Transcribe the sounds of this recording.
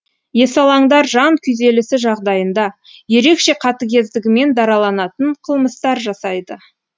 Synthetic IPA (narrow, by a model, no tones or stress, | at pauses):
je̞sɑlˠɑɴd̪ɑɾʒɑŋkʲʰʏze̞lɪsɪʒɑʁd̪ɑjənd̪ɑ | je̞ɾe̞kʃe̞qʰɑt̪əɡʲe̞zd̪ɪɡʲɪme̞nd̪ɑɾɑlˠɑnɑt̪əɴqʰəlˠməst̪ɑɾʒɑsɑjd̪ə